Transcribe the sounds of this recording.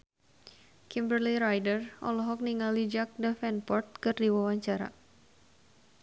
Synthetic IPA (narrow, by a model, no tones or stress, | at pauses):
kimbərliɾajdərɔ̰lɔɦɔk̚niŋalid͡ʒak̚dafɛnpɔrt̪̚kɨrdiwawaɲt͡ʃaɾa̰